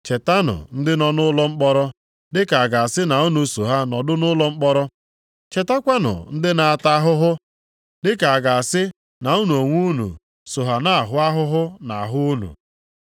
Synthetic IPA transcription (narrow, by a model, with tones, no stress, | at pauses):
t͡ʃe˨ta˦nʊ̰˨n̩˦dɪ˦nɔ˦nʊ˦lɔ˦ŋ͡m̩˦k͡pɔ˦ɾɔ˦ | dɪ˦ka˨a˨ɡa˨a˨sɪ˦na˨u˦nu˨so˨ɦa˦nɔ˨dʊ˦nʊ˦lɔ˦ŋ͡m̩˦k͡pɔ˦ɾɔ˦ | t͡ʃe˨ta˦kʷa˦nʊ̰˨n̩˦dɪ˦na˨a˨ta˦ɦʊ˦ɦʊ˦ | dɪ˦ka˨a˨ɡa˨a˨sɪ˦ | na˨u˦nu˨o˨ŋʷu˦nṵ˨ | so˨ɦa˨na˦a˨ɦʊ˦a˦ɦʊ˦ɦʊ˦na˨a˨ɦʊ˦u˦nṵ˨